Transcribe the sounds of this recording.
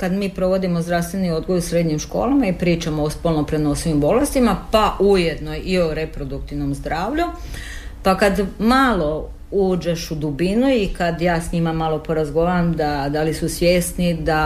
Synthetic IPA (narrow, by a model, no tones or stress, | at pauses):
kad̪miːpɾo̞ʋo̞d̪imo̞zd̪ɾaʋst̪ʋe̞niod̪ɡojusɾe̞d̪ɲimʃko̞̰ːlamaipɾiːt͡ʃamoospolnopɾeno̞siʋimbo̞le̞st̪imapaʔuje̞d̪nojio̞ɾe̞pɾo̞d̪ukt̪iʋno̞mzd̪ɾaːʋʎu | pakad̪malˠo̞ | uːd͡ʒeʃud̪ubinuikad̪jaːsɲimamalˠo̞po̞ɾazɡo̞ʋaːɾamd̪ad̪alisusʋje̞snid̪a